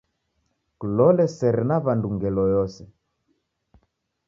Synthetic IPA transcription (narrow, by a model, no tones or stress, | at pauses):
kulɔlɛsɛɾɛnaβanduŋɡɛlɔjɔsɛ